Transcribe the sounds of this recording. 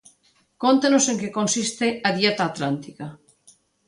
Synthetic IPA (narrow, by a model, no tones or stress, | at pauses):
kont̪anoseŋkekõnsist̪eaðjet̪aːt̪lant̪ika